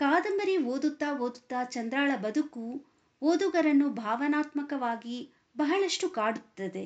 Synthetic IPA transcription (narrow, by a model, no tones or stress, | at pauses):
kaːd̪ɐmbɐɾiʋoːd̪ut̪ːaːʋoːd̪ut̪ːaːt͡ʃɐnd̪ɾaːɭɐbɐd̪uku | ʋoːd̪uɡɐɾɐnːubʱaːʋɐnaːt̪mɐkɐʋaːɡi | bɐɦɐɭɐʂʈukaːɽut̪ːɐd̪e̞